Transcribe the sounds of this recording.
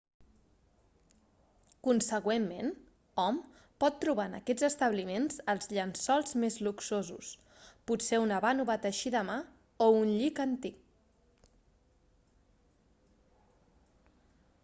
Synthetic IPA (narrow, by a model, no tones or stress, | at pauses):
kunsəɣwemːen | ɔm | pɔt̪ːɾuβaənə̰kɛd͡zəst̪əβlimenzəlˠzʎənsɔlˠzmezluksozṵs | puseunəβanuβat̪əʃiðəma | ounʎikənt̪ik̚